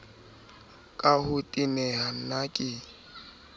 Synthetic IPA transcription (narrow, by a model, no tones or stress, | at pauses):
kʼahʊtʼimɛhan̩nakʼɪ